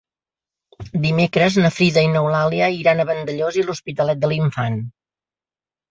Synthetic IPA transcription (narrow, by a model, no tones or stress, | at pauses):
d̪imekɾəznəfɾiðəinəwlaliəiɾanəβənd̪əʎoziluspit̪əlɛt̪̚d̪əliɱfan